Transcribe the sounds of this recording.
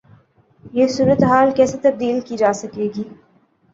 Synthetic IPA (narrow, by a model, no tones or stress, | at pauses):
jesuːɾət̪eɦaːlkɛːset̪ɐb̚d̪iːlkid͡ʒaːsɐkeːɡiː